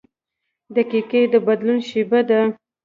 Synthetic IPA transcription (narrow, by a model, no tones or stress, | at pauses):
d̪əkeked̪əbad̪lunʃebad̪a